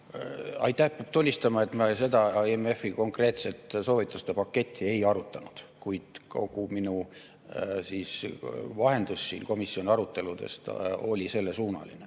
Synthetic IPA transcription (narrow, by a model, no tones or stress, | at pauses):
ɑ̰jt̪ːˑæhpjɑb̥t̪ulʲːist̪ɑmɑe̞t̪mɑse̞d̪ɑeme̞fːiko̞ŋkre̞ːt̪se̞t̪ːˑso̞ːvit̪ːˑust̪e̞pɑkːe̞t̪ʲʰːie̞jɑɾut̪ːˑɑnud̪̥kujd̪̥ko̞̰kuminu | siːsvɑɦe̞nd̪̥usːḭːnko̞misːio̞nʲiɑɾut̪ːˑe̞lud̪e̞̰st̪o̞̰lʲise̞lːesuːnɑ̰lḭne